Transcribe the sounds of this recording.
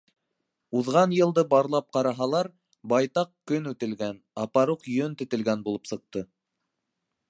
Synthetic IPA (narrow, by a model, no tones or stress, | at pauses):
uðʁɑnjɤ̆lˠd̪ɤbɑɾlˠɑp̚qɑɾɑɦɑlˠɑɾ | bɑjt̪ɑqkɵnʉt̪ɘ̆lɡænɑpɑɾuqjɵnt̪ɘ̆t̪ɘ̆lɡænbulˠɤpsɤ̆q̚t̪ɤ